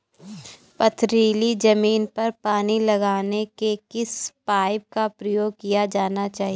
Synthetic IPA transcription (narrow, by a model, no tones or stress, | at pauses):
pɐt̪ʰɾiːlid͡ʒɐmiːnpɐɾpaːnilɐɡaːnekekɪspaːɪb̚kapɾɐjoːɡ̚kijad͡ʒaːnat͡ʃaːɦije